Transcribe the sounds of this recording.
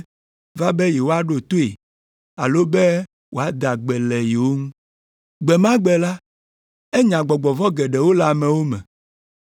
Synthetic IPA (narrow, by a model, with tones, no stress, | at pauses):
va˦bɛ˦jɛ˨wo˦a˦ɖo˨t̪o˦e˨ | a˨lo˦be˦ | wo˨a˦d̪a˨ɡ͡bɛ˨lɛ˨je˨wo˦ŋũ˦ | ɡ͡bɛ˨mã˦ɡ͡bɛ˨la˦ | e˦ɲã˨ɡ͡bɔ˨ɡ͡bɔ˨vɔ˦ɡɛ˨ɖɛ˨wo˦la˦˨mɛ̃˨wo˦mɛ̰̃˨